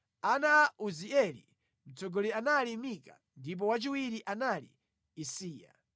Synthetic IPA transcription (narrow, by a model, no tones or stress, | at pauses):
anaːʔuziɛlḭ | m̩t͡sɔɡɔlianalimika̰ | ndip̬ɔwat͡ʃiwiɾiʔanalḭː | siːa̰